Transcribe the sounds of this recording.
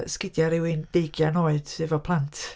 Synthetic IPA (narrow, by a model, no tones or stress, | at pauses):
skɪdjaɾɪwɪnd̥ejɡjanoːɨðɪvɔpʰlˠantʰ